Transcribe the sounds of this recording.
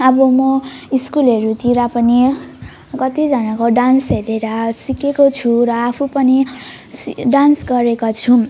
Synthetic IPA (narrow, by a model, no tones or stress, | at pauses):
ʌbʌmʌiskulʌɾut̪iɾapʌni | kʌt̪id͡zʌnakoɖansɦeɾeɾʌsikekot͡sʰuɾʌːpʰupʌni | sɖansɡʌɾekot͡sʰu